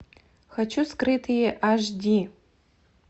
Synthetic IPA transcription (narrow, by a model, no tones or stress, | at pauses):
xat͡ʃʰuskrɨtʰɨjʔaʒʷdʲi